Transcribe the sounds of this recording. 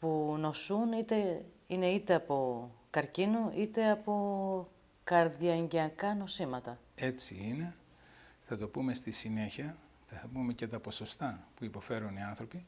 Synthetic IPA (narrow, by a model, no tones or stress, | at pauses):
puno̞sunit̪e̞ | ine̞it̪e̞ɐpo̞kɐɾcinuʔit̪e̞ɐpo̞ | kɐɾðiɐɲɟeɐkɐno̞simɐt̪ɐ | e̞t͡siine̞ | θɐt̪o̞pume̞st̪isine̞çiɐ | θɐɐpume̞cet̪ɐpo̞so̞st̪ɐpuipo̞fe̞ɾuniɐnθɾo̞pi